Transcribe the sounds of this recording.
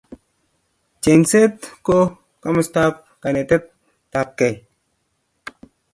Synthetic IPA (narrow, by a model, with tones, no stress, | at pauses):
t͡ʃe˨nse˦t̪ko˦ | ka˦mə˦st̪a˦p̚ | ka˨ne˨t̪e˦t̪̚ː | a˨p̚ke˨